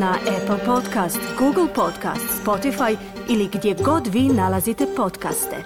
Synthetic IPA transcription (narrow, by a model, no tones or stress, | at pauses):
naʔepl̩ˠpo̞t̪kast̪ɡuːɡl̩ˠpot̪ka̰ːst̪spo̞t̪ifaj | iliɡd̪jeɡo̞d̪ʋiːnalazit̪e̞po̞t̪ka̰st̪ḛ